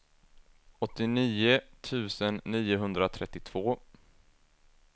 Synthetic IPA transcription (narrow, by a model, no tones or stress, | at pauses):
ɔt̪ːɪniːʊt̪ʰʉ̟ːsənːiːʊɦɵnd̪ɾat̪ʰɾɛt̪ːɪt̪ʰv̥oː